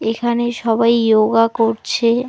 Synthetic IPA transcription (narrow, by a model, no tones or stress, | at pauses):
ekʰaneʃɔbajjoɡakoɾt͡ɕʰe